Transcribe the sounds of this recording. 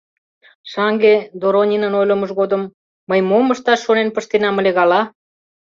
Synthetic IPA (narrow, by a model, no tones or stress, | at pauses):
ʃɑŋɡed̪oɾonʲinə̆nojlə̆mɤʃɣod̪ə̆mː | əjmoməʃt̪ɑʃːonenpəʃt̪enɑmə̆leɣɑlɑ